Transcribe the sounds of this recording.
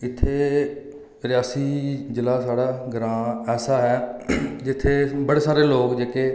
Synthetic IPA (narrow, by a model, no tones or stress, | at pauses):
ɪt̪ʰːeː | ɾɪjaːsiːd͡ʒɪlaːsaːɽaːɡəɾãːɛːsaːɦɛːd͡ʒɪt̪ʰːeːbəɽeːsaːɾeːloːkd͡ʒeːkeː